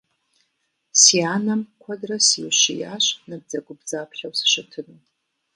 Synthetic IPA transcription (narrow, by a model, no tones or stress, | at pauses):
sianamkʷʰadrasiwʃijaɕʷnab̚d͡zaɡʷʊbd͡zaːpʰχʲawsʃɪtʰɨnu